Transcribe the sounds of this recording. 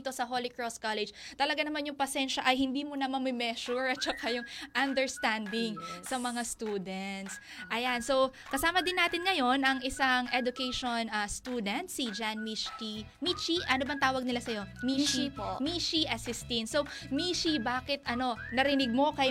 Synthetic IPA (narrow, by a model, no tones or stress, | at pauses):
t̪o̞sɐɦolɪkɹoskalɛd͡ʒt̪ɐlɐɡanɐmanjʊŋpɐsɛnʃɐʔɐjhɪnd̪iːmonɐmɐmɪmɛʃuɹʔɐt̪̚t͡ʃɐkajʊŋʔɐnd̪ɛɹst̪and̪ɪŋsɐmɐŋast̪uːd̪ɛnt̪s | ʔɐjanso̞wkɐsaːmɐd̪ɪnːaːt̪ɪnŋɐjo̞nɐŋɪsaŋɛd̪ʊkɛjʃo̞nɐst̪uːd̪ɛnt̪sid͡ʒanmi | mit͡ʃiʔɐnobɐŋt̪aːwɐɡ̚nɪlasɐjo̞mimiʃiʔɐsɪst̪insowmiʃibaːkɪt̪ʔɐno̞nɐɾɪnɪɡ̚mo̞kɐj